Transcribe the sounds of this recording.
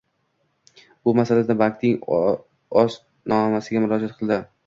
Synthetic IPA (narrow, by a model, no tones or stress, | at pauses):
bʊmasalad̪abak̚t̪nɪŋ | ɒs | nɒmasɪɡʲamʊlˠɒd͡ʒat̪̚qʰɨlˠd̪ɪ